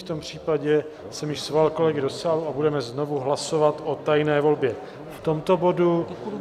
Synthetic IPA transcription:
ft̪o̞mpr̝̥iːpaɟɛ | sɛmjɪʃsvalko̞lɛɡɪdo̞saːluabudɛmɛznovuɦlaso̞vat̪ʔo̞t̪ajnɛːvo̞lbjɛ | ft̪o̞mt̪o̞bo̞du

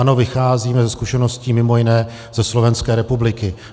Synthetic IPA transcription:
ano̞vɪxaːziːmɛzɛskuʃɛno̞sciːmɪmo̞jɪnɛː | z̥ɛslo̞vɛnskɛːɾɛpublɪkɪ

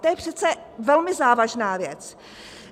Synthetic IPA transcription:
t̪ojɛpr̝̥ɛt̪t͡sɛ | vɛlmɪzaːvaʒnaːvjɛt͡s

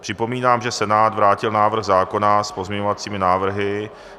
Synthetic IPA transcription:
pr̥ɪpo̞miːnaːmʒɛsɛnaːt̪vɾaːcɪlnaːvr̩ɣzaːko̞naspo̞zmɲɛɲovat͡siːmɪnaːvr̩ɦɪ

